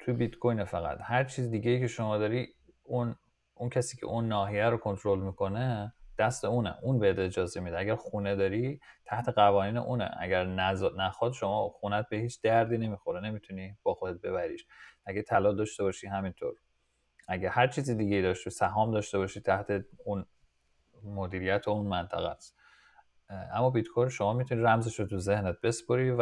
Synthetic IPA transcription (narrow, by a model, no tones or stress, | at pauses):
t̪ʰujebit̪kʰojnefæɣæ̰t̪hæɾt͡ʃʰiːzid̪iːɡʲejiːcʰe̞ʃo̞mɒːd̪ɒːɾi | un | uncʰæsiːcʰḛʔunːɒːɦijæɾokʰo̞nt̪ʰɾolmiːkʰo̞ned̪̥æst̪euːnḛʔuːnbeed̪e̞d͡ʒɒːze̞mid̪æɡæɾxuːned̪ɒːɾit̪ʰæht̪ʰeɣævɒːniːneʔuːnḛʔæ̰ɟæɾnæzɒd̪næxɒd̪ʃo̞mɒːxunæt̪̚be̞hiːt͡ʃʰd̪̥æɾd̪iːne̞mixoɾene̞mit̪ʰunib̥ɒːxod̪et̪̚be̞βæɾḭːʃʔæɡæt̪ʰælɒːd̪ɒːʃt̪e̞bɒːʃiɦæmint̪ʰo̰ɾ | ʔæɟæhæɾt͡ʃʰiːzid̪iːɟejid̪ɒʃt̪usæɦɒːmd̪ɒːʃt̪e̞bɒːʃit̪ʰæht̪ʰe̞un | mod̪iːɾijæt̪ʰounmænt̪ʰæ̰ɣæ̰t̪ | ʔæmːɒːbiːd̪kʰojlʃo̞mɒːmit̪ʰuniɾæmzeʃot̪ʰuzehnet̪̚be̞spoɾiːv